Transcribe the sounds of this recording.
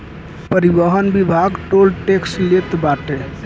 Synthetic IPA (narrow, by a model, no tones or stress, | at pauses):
pəɾibəɦənbibʱaɡʈolʈekslet̪baʈe